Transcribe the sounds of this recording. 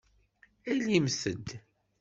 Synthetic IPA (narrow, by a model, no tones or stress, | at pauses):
æjljimsəd̪